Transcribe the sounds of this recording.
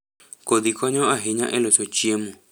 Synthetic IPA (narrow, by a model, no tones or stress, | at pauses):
koðikʷaɲõaɦiɲã̰ʔḛ̃lot͡ʃot͡ʃiemõ